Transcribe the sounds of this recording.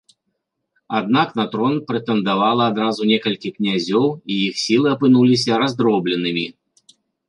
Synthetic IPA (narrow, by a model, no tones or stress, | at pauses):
ad̪̚naknat̪ɾɔnpɾɨt̪ɛnd̪avalˠɐːd̪ɾazunʲɛkɐlʲkʲiknʲazʲɔwijixsʲilˠɨɐpɨnulʲis̬ʲɐɾazd̪ɾɔblʲɛnɨmʲi